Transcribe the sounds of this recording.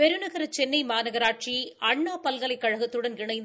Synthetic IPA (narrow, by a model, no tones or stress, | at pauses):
pɛɾɯnɐɣɐɾɐt͡ʃɛnːɐɪmaːnɐɣɐɾaːʈʂiʔɐɳːaːpɐlɣɐlɐɪkːɐɻɐɣɐt̪ːɯɽɐnɡɪɳɐɪnd̪